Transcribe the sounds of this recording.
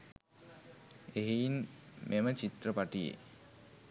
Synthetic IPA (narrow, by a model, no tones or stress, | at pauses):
eɦijnmʔemət͡ɕit̪ɾəpaʈijḛ